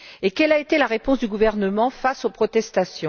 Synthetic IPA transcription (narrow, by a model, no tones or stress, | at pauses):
ekʲɛlaet̪elaʁepɔ̃sd̪yɡuvɛʁnəmɑ̃fasopχɔt̪ɛst̪asjɔ̃